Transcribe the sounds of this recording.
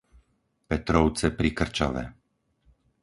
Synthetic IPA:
pɛt̪ɾɔʊt͡sɛpɾikr̩t͡ʃa̰ʋɛ̰

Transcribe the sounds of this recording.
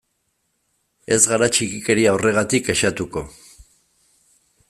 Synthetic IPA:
e̞zɣaɾat͡ʃikike̞ɾiawre̞ɣ̞at̪ike̞ʃat̪uko̞̰

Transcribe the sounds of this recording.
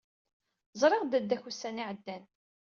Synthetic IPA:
zˤɾˤɪʁd̪æd̪ːæçusːæniʕəd̪ːæn

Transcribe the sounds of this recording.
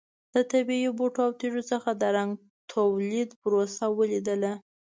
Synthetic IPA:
d̪̥ət̪abiiboʈoawt̪iʒot͡səxad̪əɾaŋɡ | t̪ʰawlid̪pɾosawəlid̪əla

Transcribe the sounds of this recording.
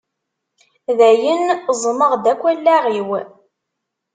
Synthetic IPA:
ðæjənzˤməʁd̪ækʷːælːæʁiw

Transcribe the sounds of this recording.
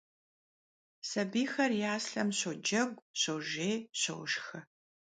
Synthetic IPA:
sɐbiːxɐrjaːsɬɐmɕod͡ʒɐɡʷɕowʒeːɕɐ̰wʃxɨ

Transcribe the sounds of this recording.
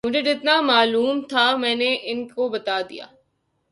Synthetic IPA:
mʊd͡ʒʱed͡ʒɪt̪namaːluːmt̪ʰamɛ̃ːneʔɪnkobɐt̪aːd̪ḭja̰ː

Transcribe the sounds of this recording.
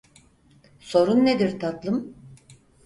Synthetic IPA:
so̞ɾunːed̪iɾt̪ʰat̪lˠɯm

